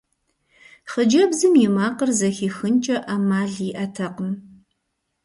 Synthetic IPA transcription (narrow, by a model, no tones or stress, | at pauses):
χəd͡ʒɐbzɨmjɪmaːqərzɐxiːxɨnt͡ʃʼɐʔamaːɮɪʔɐtʰɐqəm